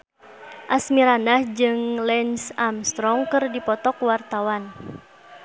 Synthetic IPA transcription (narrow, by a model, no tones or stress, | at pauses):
ʔasmiɾanahd͡ʒɨŋlɛnsamst̪ɾɔŋkɨrdipɔt̪ɔkwart̪awan